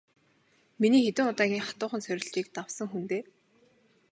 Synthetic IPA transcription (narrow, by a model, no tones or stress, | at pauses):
miniːxet̪ɘ̆ŋʊt̪aːɣʲiːŋχḁt̪ʊːχə̆nsœɾʲɪ̆ɮt͡ɕiːk̚t̪awsə̆ŋxunt̪eː